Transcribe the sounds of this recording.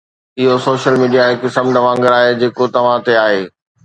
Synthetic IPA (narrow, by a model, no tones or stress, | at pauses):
ɪɦosoːʃəlmiːɖijaekɪsəmd̪ɐʋãːŋɡəɾaːɦed͡ʑeːkot̪ɐʋ̤ãt̪eaːɦeː